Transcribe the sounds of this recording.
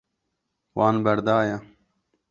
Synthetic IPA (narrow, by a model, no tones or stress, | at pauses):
waːnbɐɾd̪aːja